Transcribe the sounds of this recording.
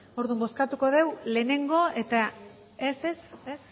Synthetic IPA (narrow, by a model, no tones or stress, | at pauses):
o̞ɾðumbo̞skat̪uko̞ð̞e̞wle̞ːne̞ŋɡo̞e̞t̪a | esese